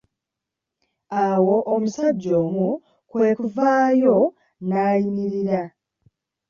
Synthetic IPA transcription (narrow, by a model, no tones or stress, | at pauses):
awo̞ʔːmusaɟːo̞ːmu | kwe̞ːkuvaːjo̞ | naːjiniɾiɾa